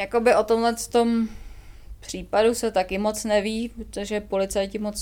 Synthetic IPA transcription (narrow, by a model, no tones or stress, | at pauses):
jako̞bɪʔo̞t̪omlɛst̪o̞m | pr̥iːpadusɛt̪akɪmo̞t͡snɛviːpɾot̪oʒɛpo̞lɪt͡sajcɪmot͡s